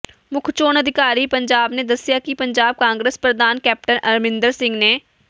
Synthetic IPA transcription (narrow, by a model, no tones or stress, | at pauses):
mʊkʰt͡ʃoːnəd̪ʱɪkaːɾiːpəɲd͡ʒaːbneːd̪əsɪjaːkipəɲd͡ʒaːb̚kãːŋɡɾeːspɾəd̪aːnkɛːp̚ʈənəɾmɪ̃nd̪əɾsɪ̃ŋɡneː